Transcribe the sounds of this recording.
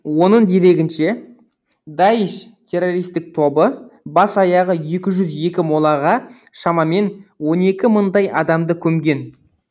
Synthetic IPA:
wo̞nəɴd̪e̞ɾe̞ɡʲɪnʃe̞ | d̪ɑjɪʃt̪ʲʰe̞ro̞ɾijst̪ɪk̚t̪ʰo̞bəbɑsɑjɑʁəje̞kʲɪʒʏzje̞kʲɪmo̞lˠɑʁɑ | ʃɑmɑme̞nwo̞ne̞kʲɪməɴd̪ɑjʔɑd̪ɑmd̪əkʲʰɵmɡʲe̞n

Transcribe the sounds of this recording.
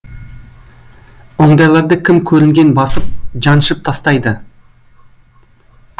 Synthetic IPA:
o̞ɴd̪ɑjlˠɑɾd̪əkʲʰɪmkʲʰɵɾɪŋɡʲe̞nbɑsəp̚ʒɑnʃəp̚t̪ʰɑst̪ɑjd̪ə

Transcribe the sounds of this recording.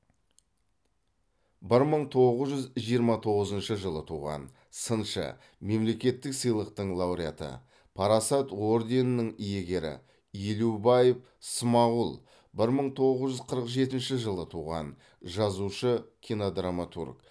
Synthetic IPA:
bɪɾməɴt̪ʰo̞ʁəzʒʏzʒijəɾmɑt̪ʰo̞ʁəzənʃəʒəlˠət̪ʰuʁɑ̰n | sənʃə̰ | me̞mle̞kʲe̞t̪ːɪksəjlˠəqt̪əɴlˠɑwɾijat̪ə̰ | pʰɑɾasɑt̪o̞rd̪e̞nnəŋije̞ɡʲe̞ɾɪ̰ | jelubɑjef | smɑulˠ | bɪɾməɴt̪ʰo̞ʁəzʒʏzqʰəɾəqʒe̞t̪ɪnʃɪʒəlˠət̪ʰuʁɑ̰n | ʒɑzuʃəkʲʰinod̪ramat̪ṵrk

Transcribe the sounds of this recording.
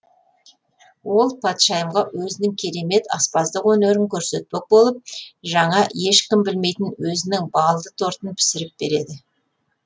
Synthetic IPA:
wo̞lˠpʰɑt̪ʃɑjəmʁɑwɵzɪnɪŋkʲʰe̞ɾe̞me̞t̪ɑ̰spɑzd̪əqwɵne̞ɾɪŋkʲʰɵɾse̞t̪̚pe̞k̚bo̞lˠəp̚ʒɑɴɑje̞ʃkʲɪmbɪlme̞jt̪ɪnwɵzɪnɪŋbɑlˠd̪ət̪ʰo̞ɾt̪ənpʰɪ̥sɪɾɪp̚be̞ɾe̞d̪ɪ

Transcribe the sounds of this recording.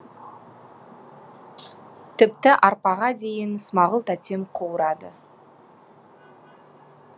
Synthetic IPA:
t̪ʰɪpt̪ɪʔɑɾpɑʁɑd̪e̞jɪnsʊmɑʁəlˠt̪ʰæt̪ʲe̞mqʰowəɾɑd̪ə

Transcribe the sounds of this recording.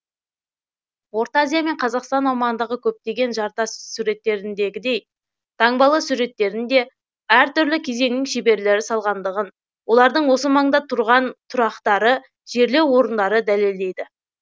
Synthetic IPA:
wo̞ɾt̪azijame̞ɴqʰɑzɑqst̪ɑnɑwmɑʁənd̪əʁəkʲʰɵp̚t̪e̞ɡʲe̞nʒɑɾt̪ɑssuɾe̞t̪ːe̞ɾɪnd̪e̞ɡʲɪd̪e̞j | t̪ʰɑɴbɑlˠəsuɾe̞t̪ːe̞ɾɪnd̪e̞ | æɾt̪ʏɾlɪkʲʰe̞ze̞ŋnɪŋʃebe̞ɾle̞ɾɪsɑlˠʁɑnd̪əʁən | wo̞lˠɑɾd̪əɴwo̞səmɑɴd̪ɑt̪ʰʊɾʁɑnt̪ʰʊɾɑqt̪ɑɾə | ʒ̥e̞ɾle̞wo̞ɾənd̪ɑɾəd̪æle̞ld̪e̞jd̪ɪ

